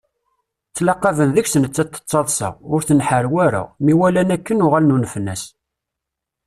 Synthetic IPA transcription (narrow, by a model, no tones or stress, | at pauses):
t͡sːlɑqːɑvənðəçsənət͡sːæt̪ːə̥t͡sˤːɑðˤsɑ̰ʁʊɾθənħəɾwæɾæ̰miwælænækːənʊʁælnunəfənːæs